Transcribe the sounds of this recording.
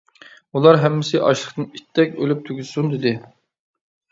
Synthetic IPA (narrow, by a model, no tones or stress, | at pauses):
ulˠɑɾɦɛmːɪsɪʔɑʃlˠəχt̪ɨnit̪ʰːɛk̚ʲø̰lyp̚t̪ʰyɡʲyzsund̪ɪd̪ɪ